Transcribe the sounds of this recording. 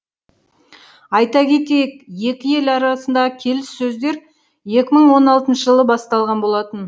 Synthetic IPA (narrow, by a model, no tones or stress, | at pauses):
ɑjt̪ɑkʲʰe̞t̪e̞jek̚je̞kʲɪje̞lɑɾɑsənd̪ɑʁəkʲʰe̞lɪsːɵzd̪e̞ɾ | je̞kʲɪməɴwo̞nɑlˠt̪ənʃəʒəlˠəbɑst̪ɑlˠʁɑnbo̞lˠɑt̪ən